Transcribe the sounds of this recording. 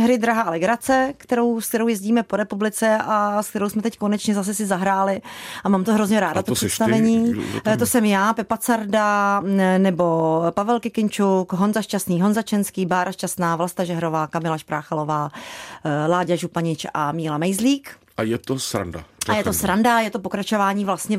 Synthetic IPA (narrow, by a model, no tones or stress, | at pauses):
ɦɾɪd̪ɾaɦaːlɛɡɾat͡sɛkt̪ɛɾowsk̚t̪ɛɾowjɛzɟiːmɛpo̞ɾɛpublɪt͡sɛʔask̚t̪ɛɾowsmɛt̪ɛcko̞nɛt͡ʃɲɛzas̬ɛsɪzaɦɾaːlɪʔamaːmt̪oɦɾo̞zɲɛɾaːdat̪osɛst̪avɛɲḭːt̪osɛmjaːpɛpat͡saɾda | nɛbo̞pavɛlkɪkɪnt͡ʃukɦo̞nzaʃcast̪niːɦo̞nzat͡ʃɛnskiːbaːɾʔaʃcast̪naːvlast̪aʒɛɦɾo̞vaːkamɪlaʃpɾʔaːxalo̞vaː | laːɟaʒupaɲɪt͡ʃʔamiːlamɛjzliːk | ʔajɛt̪osɾa̰nda̰ajɛt̪osɾandajɛt̪o̞po̞kɾat͡ʃo̞vaːɲiːvlast̪ɲɛ